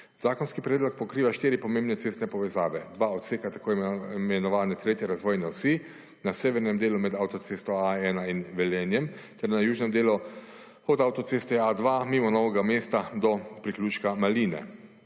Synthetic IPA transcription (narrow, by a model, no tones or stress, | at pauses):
z̥aːkɔnskipɾɛːd̪lɔk̚pɔkɾiːʋaʃt̪iːɾipɔmẽmbnɛt̪eːst̪nɛpɔʋɛzaːʋɛd̪ʋaɔt̪seːkat̪ḁkʰoːmɛnɔʋaːnɛt̪ɾeːt̪jɛɾazʋɔːjnɛwsi | naseːʋɛɾnɛmd̪eːlumɛd̪awt̪ɔt̪sest̪ɔaɛːnainʋɛljɛːnjɛmt̪ɛɾnajuːʒnɛmd̪eːlu | ɔd̪awt̪ɔt̪sest̪ɛad̪ʋamiːmɔnɔːʋɛɡameːst̪ad̪ɔpɾiklʲuːt͡ʃkamaliːnɛ̰